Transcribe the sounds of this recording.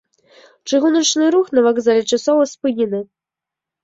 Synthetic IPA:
t͡ʂɨɣunɐt͡ʂnɨɾuxnɐvaɡzalʲɛt͡ʂasɔvɐspɨnʲɛnɨ

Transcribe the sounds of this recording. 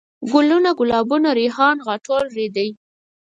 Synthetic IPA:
ɡʊlunaɡʊlɑbunaɾehɑnɣɑʈolɾed̪aj

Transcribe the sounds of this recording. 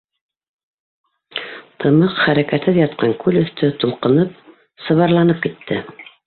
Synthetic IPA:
t̪ʰɤ̆mɤqχæɾækæt̪hɘðjɑt̪̚qɑŋkʉlɵ̆θt̪ʰɵt̪ulˠqɤ̆nɤp̚ | sɤ̆βɑɾlˠɑnɤp̚kit̪ːɘ

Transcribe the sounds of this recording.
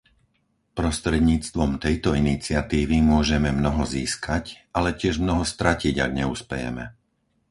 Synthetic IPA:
pɾɔst̪ɾɛd̪ɲiːt͡st̪ʋɔmt̪ɛjt̪ɔinit͡sɪat̪iːʋimʊɔʒɛmɛmnɔɦɔziːskʰacalɛcɪɛʒmnɔɦɔst̪ɾaciɟa̰ɡɲɛuspɛjɛ̰mɛ̰

